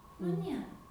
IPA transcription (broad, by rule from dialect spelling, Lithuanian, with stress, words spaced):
nʊ ˈnʲiɛrɐ